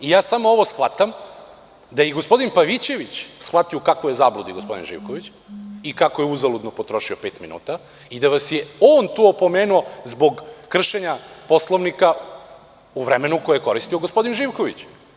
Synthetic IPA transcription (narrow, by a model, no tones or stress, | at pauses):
ijaːsamoo̞ʋo̞sxʋat̪am | d̪ajiɡospo̞d̪inpaʋit͡ɕe̞ʋit͡ɕsxʋat̪iokakʋojezablˠud̪iɡo̞spo̞d̪ḭnʒḭːʋkoʋit͡ɕ | ikakojeuzalud̪nopo̞t̪ɾo̞ʃiope̞ːt̪minṵːt̪a | id̪aʋasje̞oːnt̪uopo̞meːnuo̞zbo̞ɡkr̩ʃeɲapo̞slˠoʋnika | uʋɾemenuko̞jeeko̞ɾist̪ioɡospo̞d̪inʒiʋkoʋit͡ɕ